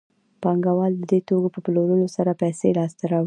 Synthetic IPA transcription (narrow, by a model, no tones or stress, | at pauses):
pɑŋɡawɑld̪əd̪et̪oɡopəploɾəlosaɾapajselɑst̪aɾɑwi